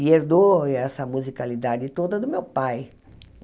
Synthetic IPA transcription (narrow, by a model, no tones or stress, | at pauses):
ieɾd̪oɛsɐmuzikalid̪ad͡ʒɪt̪od̪ɐd̪ʊmewpaj